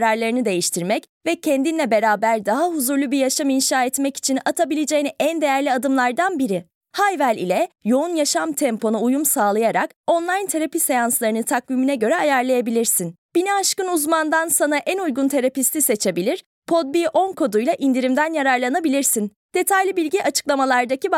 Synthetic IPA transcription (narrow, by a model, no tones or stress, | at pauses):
ɾaɾlˠaɾɯnɯd̪e̞jiʃt̪ʰiɾmɛc | vɛcʰɛnd̪inlʲɛbe̞ɾaːbæɾd̪aɦaɦuzuɾlʲˠubiɾjaʃaminʃaːɛt̪mɛci̥t͡ʃʰinat̪ʰabilʲed͡ʒejiniʔænd̪e̞jæɾlʲiad̪ɯmlˠaɾd̪anbiɾi | hajvælʲḭlʲɛjo̞unjaʃamt̪ʰɛmpo̞nuːjumsaːlˠajaɾak | o̞nlˠajnt̪ʰeɾapisejanslˠaɾɯnɯt̪ʰakviminɛɟø̞ɾɛajaɾlˠajabilʲiɾsin | b̥iniaʃkɯnuzmand̪ansanaʔænujɡunt̪ʰe̞ɾapist̪ise̞t͡ʃʰe̞bilʲiɾ̥ | pʰo̞d̪̚biʔo̞nkʰo̞d̪ujlˠaʔind̪iɾimd̪ænjaɾaɾlˠanabilʲiɾsin | d̪̥e̞t̪ʰajlʲibilʲɟiʔat͡ʃʰɯ̥klˠamalˠaɾd̪aci